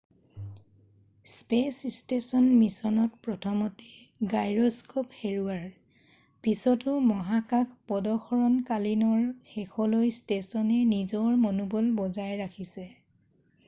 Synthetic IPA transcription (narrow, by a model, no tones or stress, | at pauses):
spesstesɔnmisɔnɔtpɹɔtʰɔmɔtɛ̥ | ɡajɹɔskopheɹuaɹ | pisɔtʊmɔɦakakʰpɔdɔxɔɹɔnkalinɔɹxexʰɔlojstesɔnɛnizɔɹmɔnubɔlbɔzajɹakʰisɛ